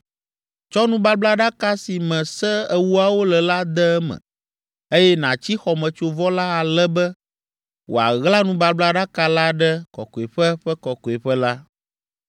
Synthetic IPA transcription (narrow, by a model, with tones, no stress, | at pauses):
t͡ʃɔ˦nũ˦ba˦bla˦ɖa˦ka˦si˨mɛ̃˨sɛ˦ɛ˨wu˦a˨wo˦lɛ˨la˦d̪ɛ˦mɛ̰̃˨ | e˦jɛ˦nã˨t͡ɕi˦xɔ˨mɛ̃˨t͡ʃo˨vɔ˦la˦a˨lɛ˦bɛ˦ | wʔo̰˨a̰˨ɣla˦nũ˦ba˦bla˦ɖa˦ka˦la˦ɖɛ˦kɔ̰˨ko˨e˨ɸɛ˦ɸɛ˦kɔ˨kɔ˨e˨ɸɛ˦la˦